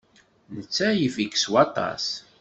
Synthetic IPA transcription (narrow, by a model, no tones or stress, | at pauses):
nət͡sːæjəvikswɑt̪ˤɑ̰s